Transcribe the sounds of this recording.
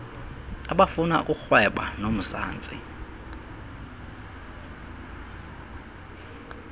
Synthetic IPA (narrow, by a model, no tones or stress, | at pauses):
aɓafuna̰kʼuxwɛɓa̰nom̩sa̰ːnt͡sʼḭ